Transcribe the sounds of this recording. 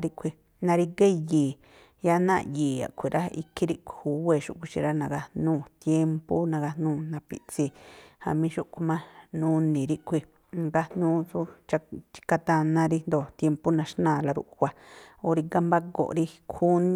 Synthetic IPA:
ɾi˦˧kʰʷi˧ | nã˧ɾi˧ɡe˦jiː˨ | ja˦nã̰˦˨jiː˨a̰˨kʷʰi˨ɾʔa˦ḭ˧kʰi˦ɾi˦˧kʷu˨we˧˨ʃṵ˧˨kʷi˧ʃḭ̃˧ɾa˦nã˧ɡa˧nũː˦˧˨t̪je˦mpo˦nã˧ɡa˧nũː˦˧˨nã˧pḭ˧˨t͡si˧˨ha̰˧mĩ˧˦ʃu˦ʔkʷu˧mã˦nũ˧nĩ˨ɾi˦kʷʰi˧ | ɡa˧nũː˦su˦t͡ʃa˧t͡ʃi̥˧ka˧t̪a˧nã˧ɾi˧nd̪o˨t̪je˧mpo˦nã˧ʃnãː˧˨la˧ɾṵ˧˨ʔkʷa˧o˧ɾi˧ɡa˧mba˦ɡo̰˨ɾi˧kʰu˦ñ˦

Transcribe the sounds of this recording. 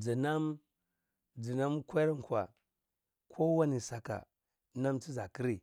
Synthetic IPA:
d͡zi˨na˦m | d͡zi˨na˦m˦kʷa˦ɾŋ˨kʷa̰˨ | kʰo˦wa˦ni˨sa˨ka̰˨˦ | na˦mt͡si˦za˨ki˦ɾi˨

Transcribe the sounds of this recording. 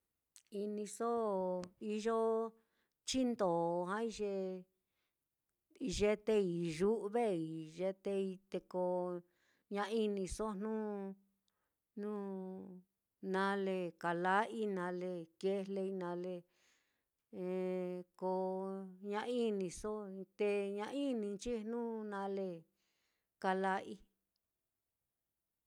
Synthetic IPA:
i˧nĩ˧so˦i˧ʒo˦ | t͡ʃi˦nd̪o˨ɦã˦i˧ʒe˧ | i˧ʒe˦t̪e˦i˨ʒu˦βe˦i˨ʒe˧t̪e˧i˧t̪e˧ko˧ | ɲã˧i˦nĩ˧so˦n̥ũ˦ | nũ˦ | nã˧le˧ka˨la˦ʔi˦nã˧le˧ke˦le˧i˧nã˨˧le˧ | ko˧ɲã˦˧i˦nĩ˧so˦˧t̪e˧ɲã˧ʔi˦nĩ˧t͡ʃi˦˧n̥nũː˦nã˧le˧ | ka˧la˧ʔi˦

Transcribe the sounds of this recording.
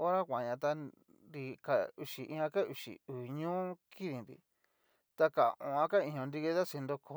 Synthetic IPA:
o˦ɾa˦kʷã˨˧ɲã˧t̪a˧n | di˧ka˧u˧ʃi˨ʔĩ˧ã˧ka˦ʔu˧˨ʃḭ˨u˨ɲũː˦ki˦ði˨nd̪ḭ˧˨ | t̪a˧ka˨õ˧˨ã˧ka˦ĩ˧ɲõ˧nd̪i˧ke˧˦t̪a˦se˧nd̪o˧kʰo˧˦

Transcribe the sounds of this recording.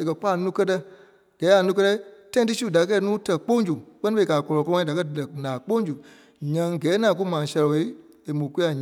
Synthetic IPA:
e˨kɜ˧k͡paː˦˨˦nũː˦kɜ˦tɛ˧ | ɡ̥ɛː˨˦a˨nũː˦k̬ɜ˧tɛ˧˦i˦tã˦ĩ˧t̬ɨ˦su˦˨da˨˧k̬ɛː˧˦˨nũː˦tɜ˧˨k͡põ˦ŋ˦d͡ʒu˨k͡pɜ˦nĩ˦fe˧˨kaː˨kɔ˧lɔ˨kɔ̃˦da˨kɜ˦˨lɛ˨nãː˨k͡põ˦ŋ˦d͡ʒu˨ | ɲã˧ŋ˨ɡɛː˨˦nãː˨˦k̬u˦mãː˨˦sɛ˧lɔ˨e˨˦e˨mũ˨ku˦a˨ɲ

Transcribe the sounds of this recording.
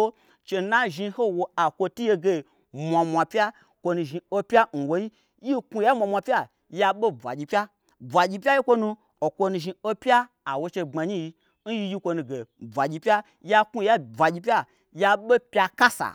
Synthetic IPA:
o˦ | t͡ʃe˧na˦ʒi˧ho˦wo˧a˨kʷo˧tu˦je˧ɡe˧˨ | mʷa˨˧mʷa˧pʲa˦ | kʷo˧nũ˧˨ʒi˧o˦pʲa˦n̩˨wo˦ji˦ | ji˦ku˧ja˦mʷa˧mʷa˧pʲa˦ | ja˧ɓo˦b͡vʷa̰˨ɡʲi˧pʲa˦ | b͡vʷa˨ɡʲi˧pʲa˦ji˦kʷo˧nũ˧ | o˨kʷo˧nũ˧ʒi˧o˦pʲa˦ | a˨wo˧t͡ʃe˧ŋ͡ma˨ɲi˦ji˧ | n̩˦ji˧ji˦kʷo˧nu˧ɡe˨b͡vʷa˨ɡʲi˧pʲa˦ | ja˧ku˦˧˦ja˦b͡vʷa˨ɡʲi˧p̬ʲa˦ | ja˧ɓe˦pʲa˧ka˦sa̰˨

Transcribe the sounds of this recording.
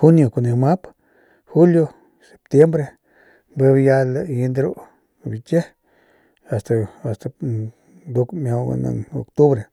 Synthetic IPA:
xu˦njo˨ko˨ne˧ma˦p | xu˦ljo˧ | se̥˨p̚t̪je˦mbɾe˧ | mbe˦bja˧la˧ji˧nd̪ɾu˦ | bi˨t͡ʃe˦ | a˨st̪a˨a˨st̪a˧ | d̪u˧kmja˧a̰˧na̰˧no̰˨kt̪u˦βɾe˨

